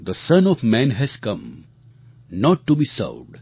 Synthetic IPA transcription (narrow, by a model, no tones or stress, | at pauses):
d̪əsʌ̃nɔvmæ̃nɦɛz̥kʌ̃m | nɔʈːubisa̰ʊɖ